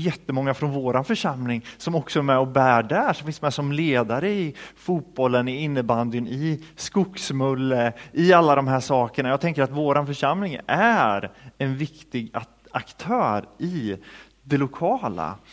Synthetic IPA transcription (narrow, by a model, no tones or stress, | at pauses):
jɛt̪ːəmɔŋːafɾɔnvoːɾanfœʂamlɪŋsɔmɔksɔæɾmɛɔbæːɖæʂɔmfɪnsmɛsɔmleːd̪aɾəɪfuːt̪̚b̥ɔlːənɪɪnːəband̪ənɪskʊksmɵlːəʔɪalːad̪ɔmɦæːʂɑːkəɳajɑːɡ̚t̪ɛŋkəɾat̪voːɾanfœʂamlɪŋæɾɛnvɪkt̪ɪɡ | akt̪ʰœːɾɪ | d̪ɛlʊkʰɑːla̰